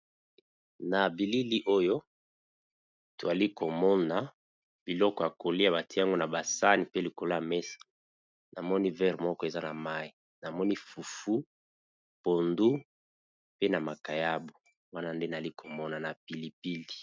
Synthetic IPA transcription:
na˨bi˨li˦li˦ʔo˦jo˦ | to˨a˨li˦ko˨mɔ˦na˨ | b̥i˨lɔ˦kɔ˨a˨ko˨li˦a˨ba˨ti˦a˦ŋɡo˦na˨ba˨sa˦ni˨pe˦li˨ko˨la˦a˨mɛ˦sḁ˨ | na˨mɔ˦ni˦vɛ˦ʁmɔ˦kɔ˦e˨za˦na˨ma˦i˨ | na˨mɔ˦ni˦fu˨fu˦ | po˨ndu˦ | pe˦na˨ma˨ka˨ja˦bo˨ | wa˦na˦nde˦na˨li˦kʰo˨mɔ˦na˨na˨pi˨li˨pi˦li̥˨

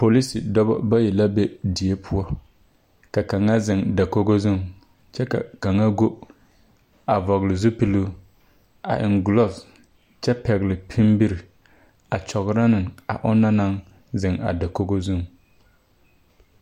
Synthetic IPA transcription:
po˨li˦si˨dɔ˦bɔ̰˦ba˦jɛ˨la˦be˦di˨e˦pʰʊ˦ɔ˦ | ka˨ka˨ŋa˦zɪ˨ŋda˨ko˦ɡo˦zʊ˦˨ŋ | t͡ʃɛ˦ka̰˨ka˨ŋa˦ɡo˦ | a˨vɔ˨ɣlɪ˨zʊ˦pi˦lu˦ | a̰˨ʔɪ˨ŋɡlɔ˦s | t͡ʃɛ˦pɛ˨ɣɪ˨lɪ˨pʰi˦mbi˦ɾɪ˨ | a˨t͡ʃɔ˨ɣɾa˦nɪ˨ŋa̰˨ʔʊ˦na˦na˦ŋ | zɪ˨ŋa̰˨da˨ko˦ɡo˦zʊ˦˨ŋ

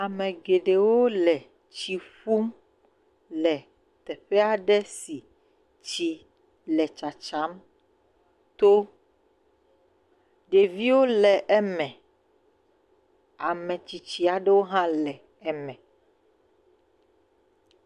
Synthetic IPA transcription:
a˨mɛ̃˨ɡe˨ɖe˨wo˦lɛ˨ | t͡ɕi˨ɸu˦m | lɛ˨ | t̪ɛ˨ɸɛ˦a˨ɖɛ˦si˨ | t͡ʃi˨ | lɛ˨t͡ʃa˨t͡ʃa˦m | t̪o˦ | ɖe˨vi˦wo˦lɛ˨ʔɛ˦mɛ̃˨ | a˨mɛ̃˨t͡ʃi˨t͡ɕi˨a˨ɖɛ˦wo˦ɦã˦lɛ˨ | ɛ˦mɛ̃˨

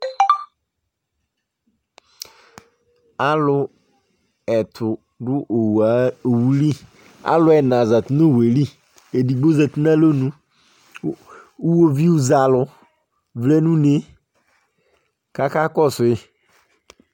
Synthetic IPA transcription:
a˦lʊ˨ | ɛ˨tʰʊ˨ | dʊ˦ʔo˨wa˨˦o˨wu˦li˦ | a̰˦lʊ˨˦ɛ˨nã˨za˨tʊ˨˦no˦˨we˨li˦ | e˨di˨ɡ͡bo˦zɛ˨ti˦nã˦lo˦nũ˦ | u˦wo˦vi˦u˦za˨lʊ˨ | vlɛ˦nũ˦ne˦ | ka˦ka˦kɔ˦˨sʊ˨ɪ˦

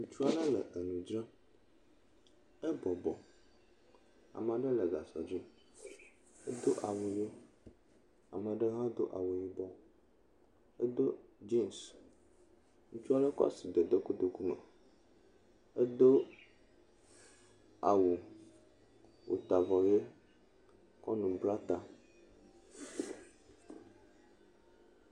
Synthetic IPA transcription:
ŋũ˨˦t͡ʃu˦a˦ɖə˦lə˨ʔə˨nũ˨d͡ʒɾã˦ | ɛ˦bɔ˨bɔ˨ | a̰˨m˨a˨ɖə˦lə˨ɡa˨sa̰˨d͡ʒi˦ | e˦d̪o˦ʔa˨wo˨je˦ | a̰˨mə̃˨ɖə˦ɦã˦d̪o˦ʔa˨wo˨ji˦bɔ˦ | ə˦d̪o˦d͡ʒe˦˨ms | ŋũ˦t͡ʃu˦a˦ɖe˦kɔ̰˦a̰˦˨si˨d̪e˨d̪e˦ku˦d̪o˨ku˦mḛ˨ | e˦d̪o˦ | a˨wu˨ | wʔo̰˨t̪a˨vɔ˨je˦ | kɔ̰˦nũ˨bɾa˦t̪a˨

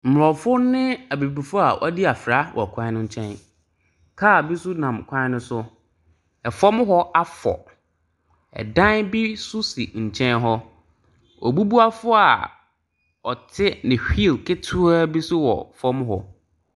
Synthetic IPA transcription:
m̩˨m˨ɔ˨fʊ˦nɪ̃˦a˨bi˨bi˨fʊ˦a˨ʔɔ˦di˦a˨fɾa˦wʔɔ̰˨kʷʰã˦ɪ˦nʊ̃˦ɲ̩˦t͡ɕʰɛ̃˦n | kʰaː˦˨bi˦sʊ˦nã˨mkʷʰã˦nʊ̃˦sʊ˦ | ɛ˨fɔ˦m˦ɦɔ˦a˦fɔ̰˨ | ɛ̰˨dã˦nbi˦sʊ˦sḭ˨ɲ̩˨t͡ɕʰɛ̃˦nɦɔ˦ | ʔɔ̰˨bu˦bu˦a˦fʊ˦a˨ | ɔ˨tʰɪ˦nɪ̃˨hᶣi˦˨lkʰɪ˦tʰʊ˦a˦bi˦sʊ˦wɔ̰˨fɔ˦m˦ɦɔ˦

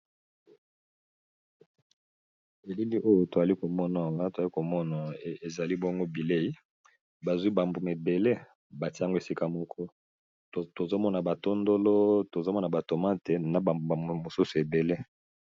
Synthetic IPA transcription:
e˨li˦li˦ʔo˦jo˦to˨za˨li˦ko˨mɔ˦na˨ŋa˦to˨za˨li˦ko˨mɔ˦na˨e˨za˨li˦bŋɡo˦bi˨le˦i˦ | ba˨zwi˦ba˨mbo˨m˨e˨be˨le˦ | ba˨ti˦a˦ŋɡo˦e˨si˦ka˦mɔ˦kʰɔ˦˨ | to˨zo˦mɔ˦na˨ba˨to˦ndo˦lo˦to˨zo˦mɔ˦na˨ba˨to˨ma˦te˨na˨ba˨mbo˨a˨mo˨su˦su˨e˨be˨le˦

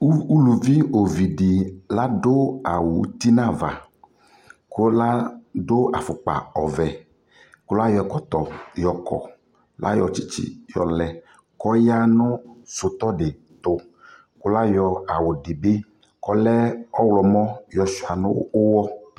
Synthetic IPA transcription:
u˦lu˨vi˦o˨vi˨ɖi˨la˦ɖo˦a˨wo˨˦t̪i˦nã˦va̰˨ | ko˦la˦ɖo˦a˨fʊ˨k͡pa̰˨ɔ˨vɛ˨ | ko˦la˦jɔ˨kɔ˨t̪ɔ˨jɔ˨kɔ̰˨ | lʔa̰˦jɔ˨t͡ʃi˦t͡ɕḭ˦jɔ̰˨lɛ˨ | kɔ˦ja˦nʊ̃˦sʊ˨t̪ɔ˦ɖɪ˨ | t̪ʊ˨ | ko˦la˦jɔ˨a˨wo˨ɖe˨be˦ | kɔ˦lɛ˦ɔ˦wlɔ˨mɔ̃˦jɔ˨su˨a˨nʊ̰̃˦o˦wɔ˦

